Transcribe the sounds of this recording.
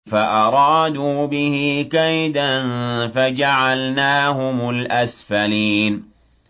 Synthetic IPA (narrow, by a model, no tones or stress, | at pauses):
faʔɑɾˤɑːd̪uːbɪhɪkajd̪anfad͡ʒaʕalnaːɦʊmʊlʔasfaliːn